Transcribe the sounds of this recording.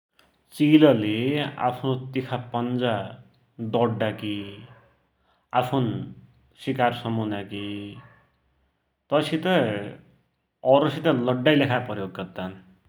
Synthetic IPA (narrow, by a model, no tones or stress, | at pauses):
t͡silʌlea̰pʰnot̪ikʰapʌnd͡za | d̪ʌɖːaki | apʰun | sikarsʌmunaki | t̪ʌsit̪ʌ | ʌɾosit̪alʌɖːajlekʰapʌɾjoɡːʌt̪ːan